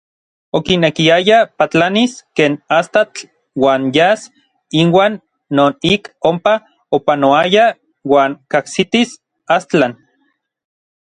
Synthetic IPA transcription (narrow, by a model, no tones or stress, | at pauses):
okinekiajapat͡ɬaniskeːnast̪at͡ɬ | waːnjas | inwaːnː | oːnikompa | opanoaja | waːŋkahsit̪is | ast͡ɬan